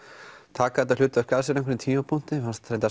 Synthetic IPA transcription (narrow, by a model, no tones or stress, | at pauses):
t̪ʰaːkaɛt̪alʏːt̪avɛɾ̥kaðsɛɾaɛŋkʰvɛɾnɪnt̪ʰiːmapʰun̥t̪ɪfanst̪ʰɾejnt̪a